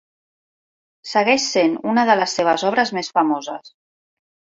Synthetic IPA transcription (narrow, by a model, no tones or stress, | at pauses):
səɣɛʃsenunəðələsːeβ̞əzɔβ̞ɾəzmesfamozəs